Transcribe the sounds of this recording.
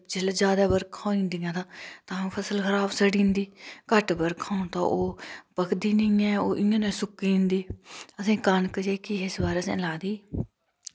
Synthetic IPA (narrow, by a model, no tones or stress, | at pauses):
d͡ʒɪld͡ʒjaːd̪aːbəɾkʰãːĩːnd̪iːãːt̪ãːt̪ãːpʰəsəlkəɾaːbsəɽĩːnd̪iːkəʈbəɾkʰãːũt̪ã̰ːʔoːpəkʰd̪iːnəiãːoːʔɪãːnẽːsʊkiːnd̪iːəsĩːkənkəd͡ʒeːkɪɪsbaːɾeːəsḛ̃ːlaːd̪iː